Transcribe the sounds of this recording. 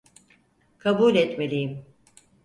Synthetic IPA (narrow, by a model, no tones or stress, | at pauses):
kʰabulʲɛt̪melʲijim